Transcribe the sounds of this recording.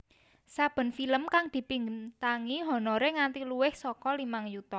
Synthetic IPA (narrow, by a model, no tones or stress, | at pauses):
sab̥ə̤nfiləmkaŋd̪̥i̤piŋt̪aŋiɦɔ̤nɔɾeŋant̪iluwɪhsɔkɔlimaŋjut̪ɔ